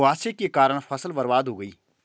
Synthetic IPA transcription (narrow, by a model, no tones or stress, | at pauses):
aːsekekaːɾəɽ̃fʰɐsəlbɐɾʋaːd̪ɦoːɡəḭː